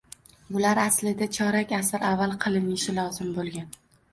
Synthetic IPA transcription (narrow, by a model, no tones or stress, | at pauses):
bʊlaɾaslɪd̪at͡ʃʰɒɾakʲasɪɾavːalˠqʰɨlˠɪnɪʃɪlˠɒzɪmbolˠɡʲan